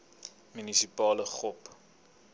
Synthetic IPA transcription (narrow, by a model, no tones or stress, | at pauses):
mynisipɑːləχɔp